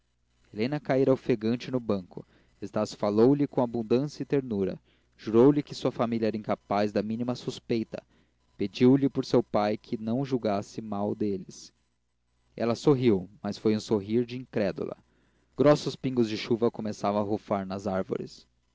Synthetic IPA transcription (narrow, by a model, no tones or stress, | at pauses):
elẽnɐkaiɾawfeɡɐ̃nt͡ʃɪnʊbɐ̃ŋkʊ̰ | est̪asfalowlɪkõabũnd̪ɐ̃sɐɪt̪eɾnuɾɐ̰ | ʒ̥uɾowlɪkɪsuɐfamiliɐɛɾɐĩŋkapazd̪ɐmĩnimɐsuspejt̪ɐ̰ | ped͡ʒiwlɪpʊɾsewpajkʰɪnɐ̃w̃ʒuwɡasɪmawd̪elɪs | ɛ̰lɐsoɦiwmɐsfojũsoɦiɾd͡ʒɪĩŋkɾɛd̪ṵlɐ̰ | ɡ̥ɾɔsʊspĩŋɡʊzd͡ʒɪʃuvɐkomesavɐ̃w̃ɐɦofaɾnɐzaɾvo̰ɾɪ̰s